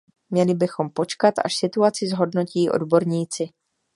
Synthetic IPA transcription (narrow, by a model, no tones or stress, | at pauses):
mɲɛlɪbɪxo̞mpo̞t͡ʃkat̪a̰ʃsɪt̪uat͡sɪzɦo̞dno̞ciːʔo̰dbo̞ɾɲiːt͡sɪ